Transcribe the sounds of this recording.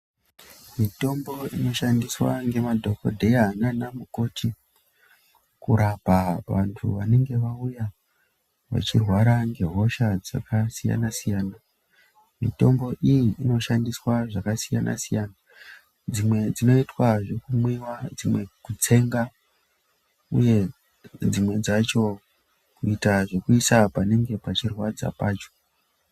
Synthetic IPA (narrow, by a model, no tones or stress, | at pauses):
mito̞mbo̞ino̞ʃandiswa̰ŋɡe̞madʱo̞ko̞̰dʱe̞jananamuko̞tʰi | kuɾapaʋantʰṵʋane̞ŋɡe̞ʋauja | ʋa̰t͡ʃirwaɾaŋɡe̞ɦo̞ʃad͡za̰kasija̰nasijaːna | mḭto̞mbo̞ʔijiːno̞ʃandiswaʐakasija̰nʔa̰sijaːna | d͡zimwe̞d͡zino̞itwaʐe̞kumwiwad͡zimwe̞kut͡se̞ŋɡa | ṵje̞ | d͡zimwe̞d͡zat͡ʃo̞ | kuitaʐe̞kuisapane̞ŋɡe̞pat͡ʃirwad͡za̰paːt͡ʃo̥